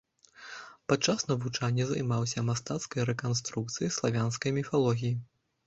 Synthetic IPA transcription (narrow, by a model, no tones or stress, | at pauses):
pat̪̚t͡ʂasnɐvut͡ʂanʲːɛzajmawsʲɐmast̪at̪skɐjɾɛkanst̪ɾuk̚t̪sɨjislˠavʲanskɐjmʲifalˠɔɣʲiji